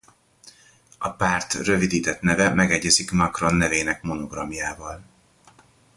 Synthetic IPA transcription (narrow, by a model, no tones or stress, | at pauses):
ɒpaːrt̪rø̞vid̪iːt̪ɛt̪nɛvɛmɛɡɛɟːɛzikmɒkro̞nːɛveːnɛkmo̞no̞ɡrɒmjaːvɒl